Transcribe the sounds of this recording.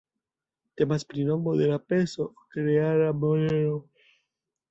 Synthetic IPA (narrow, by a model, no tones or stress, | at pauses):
t̪emaspɾinomboðelapesokɾeaɾamoɾeɾo